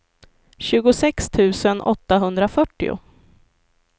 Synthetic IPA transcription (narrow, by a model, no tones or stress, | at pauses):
ɕʉ̟ːɡʊsɛkst̪ʰʉ̟ːsənʔɔt̪ːaɦɵnd̪ɾafœʈːɪ̰ʊ̰